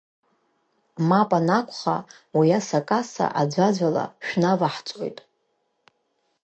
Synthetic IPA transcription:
mapʼanakʷʰʼχa̰ | wijasakʼasa̰ʔad͡ʒʷad͡ʒʷala̰ʃᶣnavaħt͡sʼo̰jtʼ

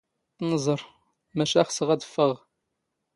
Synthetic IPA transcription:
θnəzˤəɾˤ | mæʃæχsəʁæðəfːəʁ

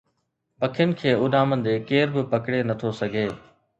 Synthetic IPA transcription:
pɐkʰɪjənɪ̆kʰeːʊɗaːmə̃nd̪eːkeːɾbɪpɐkɽenɐt̪ʰosɐɡʱeː

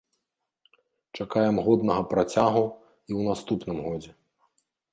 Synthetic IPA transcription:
t͡ʂakajɛmɣɔd̪nɐɣɐpɾat͡sʲaɣu | iwnast̪upnɨmɣɔd͡zʲɛ

